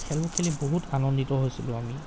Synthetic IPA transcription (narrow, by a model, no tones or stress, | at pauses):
kʰɛlbɔkʰɛliboɦutanɔnditɔɦojsilʊ̃ami